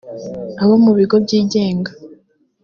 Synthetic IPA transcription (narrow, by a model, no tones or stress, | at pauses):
aβomuβiɡo̞b̚ɟiːɟe̞ːŋɡa